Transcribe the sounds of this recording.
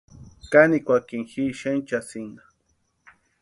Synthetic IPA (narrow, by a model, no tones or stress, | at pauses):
kanikʷakiŋxiʃent͡ʃasina